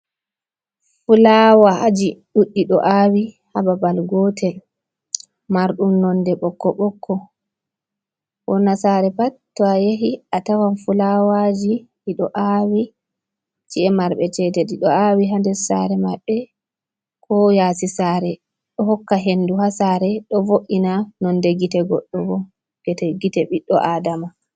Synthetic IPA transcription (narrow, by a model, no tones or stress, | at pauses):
fulawaʔad͡ʒiɗuɗːiɗɔ̰ʔawi | hababalɡɔtʰɛl | maɾɗumnɔndɛɓɔkːɔɓɔkʰːɔ | wɔnːasaɾɛpatːɔajeɦiatawanfulawad͡ʒi | iɗɔʔawi | t͡ʃiɛmaɾɓɛt͡ʃɛtɛɗiɗɔawiɦandɛsa̰ɾɛmaɓːɛ | kʰɔjaːsisaːɾɛ | ɗɔɦɔkːaɦenːduhasaɾɛɗɔvoʔinanɔndɛɡitɛɡɔɗːɔɡɔ | ɡ̥ɛtɛɡitɛɓiɗːɔʔaːdama